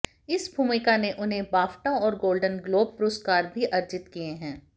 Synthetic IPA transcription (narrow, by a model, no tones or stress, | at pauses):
ɪsbʱuːmɪkaneʔʊnɦẽbaːfʈõɔːɾɡoːlɖənɡloːb̚pʊɾoːskaːɾbʱiʔɐɾd͡ʒɪt̪kijeɦɛ̃ː